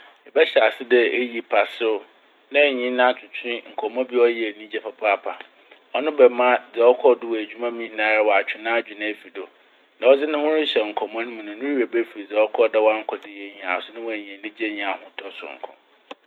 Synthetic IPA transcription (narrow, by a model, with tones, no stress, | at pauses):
ɛ˨bɛ˦ɕɛ˨a˨sɪ˦dɛ˦e˦ji˨pʰa˨sɪ˦ʊ˦ | nã˦˨ɲĩ˦nã˦a˦t͡ɕʰʊ˨t͡ɕʰɪ̃˦ŋ̩˨kʰɔ˨m˦ɔ̃˦bɪ˦ɔ˦je˨nĩ˦d͡ʑɛ˨pʰa˨pʰa˦˨pʰa̰˨ | ɔ˦nʊ̃˦bɛ˨mã˦d͡zɛ˨ɔ˦kʰɔ˦dʊ˦˨wɔ˨æ˨d͡ʑᶣu˦mã˦mĩ˦hnã˨˦ɾa˦wɔ˨a˨t͡ɕᶣʰɪ˨nãː˦d͡ʑᶣu˨nã˦˨fi˨do˨ | nã˨wɔ˦d͡zɪ˦nʊ̃˦hʊ̃˦ɾɪ̃˦ɕɛ˨ŋ̩˨kʰɔ˨m˦ã˦nʊ̃˦mũ˨nʊ̃˨nʊ̃˦wi˦e˨be˦fi˨i˨d͡zɔ˦kʰɔ˦˨dɛ˦wa˦ŋ̩˦kʰɔ˨dɪ˦je˨ɲi˨ã̰˨sʊ˦nɪ̃˦wɔ˨æ˨ɲĩ˨lĩ˦d͡ʑe˦ɲ˨ã˨hʊ̃˦tʰɔ˦sʊ̰˨ŋ̩˨kʰɔ̰̃˨